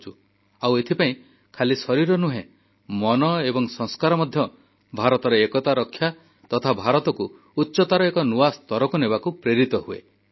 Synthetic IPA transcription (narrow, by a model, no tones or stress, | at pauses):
t͡ʃʰu | awet̪ʰipaĩ | kʰalisɔɾiɾɔnuɦẽ | mɔnɔebɔŋsɔŋskaɾɔmɔd̪ʱjɔ | bʱaɾɔt̪ɔɾeekɔt̪aɾɔkʰːja | t̪ɔt̪ʰabʱaɾɔt̪ɔkuː | tːʃɔt̪aɾɔekɔnuast̪ɔɾɔkɔnebakupɾeɾit̪ɔɦuḛ